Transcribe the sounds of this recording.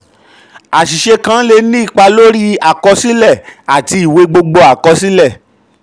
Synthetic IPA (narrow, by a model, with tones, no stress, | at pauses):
a˨ʃi˨ʃe˧kã˧˦le˧˦nĩ˦i˦˨k͡pa˧lo˦ɾi˦a˨kɔ˧si˦lɛ˦˨a˨ti˧i˨we˨˧ɡ͡bo˧ɡ͡bɔ˧a˨kɔ˧si˦lɛ˦˨